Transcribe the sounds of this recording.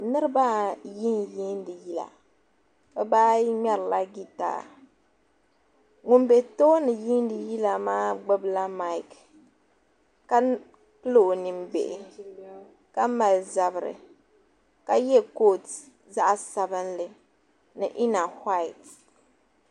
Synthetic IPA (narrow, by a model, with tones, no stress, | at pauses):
nɨ˦ɾɨ˦baː˦ji˦nji˦n˦dɨ˨ji˦la̰˨ | bɛ˦baː˦jɲɛ˦ɾɨ˨la˦ɡi˦ta̰ː˦˨ | ŋu˨m˦be˨toː˦nɨ˨ji˦n˦dɨ˨ji˦la˨maː˦ɡ͡bɨ˦bla˦ma˦ɪ˦k | ka˦ | pɨ˦lo˨nɨ˨m˦be˨ʔ | ka˦ma˨lza˨bɨ˨ɾɨ̰˨ | ka˨jɛ˦ko˦t | za˦ʔsa˨bɨ˦nlɨ˨ | nɨ˨ʔi˦na˨ha˦jt